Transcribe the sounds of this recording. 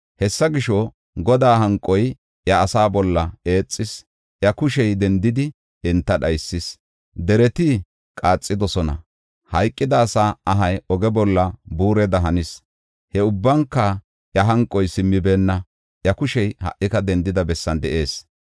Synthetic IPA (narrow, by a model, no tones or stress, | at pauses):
hɛsːɐɡɪʃɔ | ɡɔd̪aːɦɐŋkʼːɔj | ʔjɐːsaːbɔlːɐe̞ːt͡sʼːɪs | ʔjɐkʊʃɛjd̪ɛnd̪ɪd̪ɪ | ɛnt̪ːɐɗɐjsːɪs | d̪ɛɾɛt̪ɪ | kʼaːt͡sʼːɪd̪ɔsɔnɐ̰ | hɐjkʼːɪd̪ɐːsaːʔɐɦɐjɔɡɛbɔlːɐbuːɾɛd̪ɐɦɐnɪs | hɛʊbːɐŋkːɐ | ʔjɐɦɐŋkʼːɔjsɪmːɪbe̞ːnːɐ | ʔjɐkʊʃɛjhɐ̰ʔːɪkɐd̪ɛnd̪ɪd̪ɐbɛsːɐnd̪ɛʔe̞ːs